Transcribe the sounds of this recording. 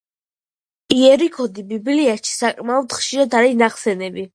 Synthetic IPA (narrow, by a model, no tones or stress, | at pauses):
iɛɾikʰɔd̪ibibliaʃi̥sakʼmaɔd̪χʃiɾad̪aɾinaχsɛnɛbi